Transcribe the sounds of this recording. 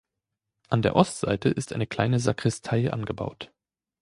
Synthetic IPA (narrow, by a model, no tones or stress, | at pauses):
ʔandeːɐʔɔstz̥a̰ɪtʰəʔɪstʔaɪnəkl̥aɪnəzakʁ̥ɪstʰaɪʔa̰nɡəba̰ʊt